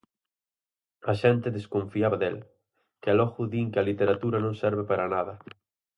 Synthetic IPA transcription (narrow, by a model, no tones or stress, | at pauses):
aʃɛnt̪eðeskõɱfiaβaðḛl | kealɔɣuðiŋkealit̪eɾat̪uɾanõŋsɛɾβepaɾanaðɐ